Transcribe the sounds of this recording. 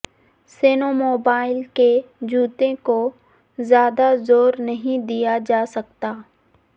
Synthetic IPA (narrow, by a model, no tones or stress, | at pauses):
seːnomoːbaːɪlked͡ʒuːt̪ẽko | zjaːd̪azoːɾnɐɦĩd̪ijad͡ʒaːsɐk̚t̪aː